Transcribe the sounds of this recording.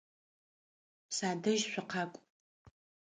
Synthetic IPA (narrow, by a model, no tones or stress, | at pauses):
saːdɨʒʃʷʰᶣaqʰakʷʼ